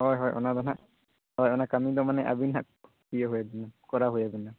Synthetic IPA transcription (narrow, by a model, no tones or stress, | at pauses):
ɦɔjɦɔjʔɔ̰nad̪ɔna | ɦɔjɔnakamid̪ɔmanɛʔa̰binɦa̰k | pijeɦojabinamkɔɾaɦojabinːa